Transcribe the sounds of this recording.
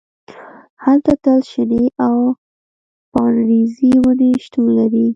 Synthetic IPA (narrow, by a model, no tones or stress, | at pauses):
halt̪at̪əlʃɪneʔaw | pɑnɾiziwəneʃt̪unlaɾi